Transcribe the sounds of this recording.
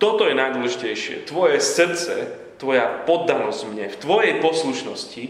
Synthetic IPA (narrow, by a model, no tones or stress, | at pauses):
t̪ɔt̪ɔjɛnajd̪wɔlɛʒicɛjʃɪɛ̰t̪ʋɔjɛsr̩t̪t͡sɛ̰ | t̪ʋɔjapɔd̪ːanɔzvmɲɛft̪ʋɔjɛjpɔsluʃnɔsci